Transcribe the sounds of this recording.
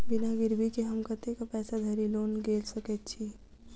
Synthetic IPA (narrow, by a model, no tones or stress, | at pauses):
binaɡiɾbʱikeɦəmkət̪ekapɛːsad̪ʱəɾilonɡelsəkɛt̪̚t͡ʃʰi